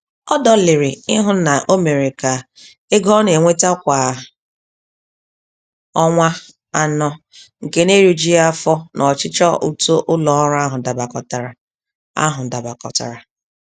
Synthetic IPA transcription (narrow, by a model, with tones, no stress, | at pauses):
ɔ˦dɔ˦lɪ˨ɾɪ˨ɪ˦ɦʊ˦na˨ʔo˦me˨ɾi˨ka˨ | e˦ɡɔ˦ne˨ŋʷe˦ta˦kʷa˨ | ɔ˦ŋʷa˦ | a˦nɔ˦ | ŋ̩˨ke˦ne˦ɾu˦d͡ʒi˦a˦fɔ˦nʔɔ˨t͡ʃɪ˦t͡ʃɔ˦u˦to˦ʔʊ˦lɔ˦ɾa˦ɦʊ˨da˨ba˨kɔ˨ta˨ɾa˨ | a̰˦ɦʊ˨da˨ba˨kɔ̰˨ta̰˨ɾa˨